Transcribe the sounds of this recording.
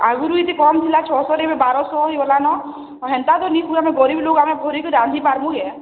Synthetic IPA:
aɡuɾuit̪ikɔmt̪ʰilat͡ʃʰɔsɔɾebebaɾɔsɔɦibɔlanɔ | ɔɦɛnt̪ad̪ɔnikuameɡɔɾiblokamebʱɔɾikɔɾand̪ʱipaɾmuɡɛ

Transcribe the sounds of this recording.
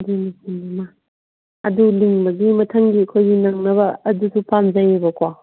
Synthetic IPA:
dunisinbama | ɐduliŋbɐɡimɐtʰɐŋɡiɐkʰojɡinɐŋnɐbɐːdusupamzajebɐkwa

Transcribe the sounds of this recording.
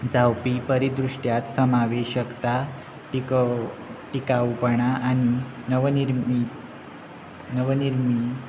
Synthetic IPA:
d͡zawpipəɾid̪ɾuʂʈjat̪səmaʋeɕəkt̪a | ʈikawupəɳaʔañinəʋnii | nəʋəniɾmi

